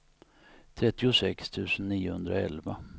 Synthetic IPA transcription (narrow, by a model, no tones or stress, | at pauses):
t̪ʰɾɛt̪ːɪʊsɛkst̪ʰʉ̟ːsənːiːʊhɵnd̪ɾaɛ̰lva